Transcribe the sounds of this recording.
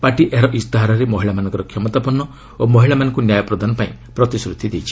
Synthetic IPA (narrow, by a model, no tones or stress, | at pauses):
paʈiʔeɦɾɔʔisd̪aɦaɾɔɾemɔɦiɭamanɔ̃ŋkɔɾɔkʰjɔmɔt̪apɔnːɔ | omɔɦiɭamanɔŋkunjajɔpɾɔd̪ʱanɔpaĩpɾɔt̪isɾut̪ʰid̪ejt͡ʃʰi̥